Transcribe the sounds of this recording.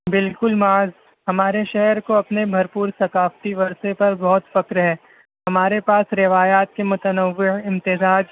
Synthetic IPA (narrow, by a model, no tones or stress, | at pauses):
bɪlkʊlmaːz | ɦɐmaːɾeʃɛɦɾkoɐpnebʱɐɾpuːɾsɐkaːft̪iʋɐɾsepɐɾbɔɦʊt̪fɐkɾɦɛː | hɐmaːɾepaːsɾɪʋaːjaːt̪̚kemʊt̪ənəʋːɪɦɪ̃mt̪ɪzaːd͡ʒ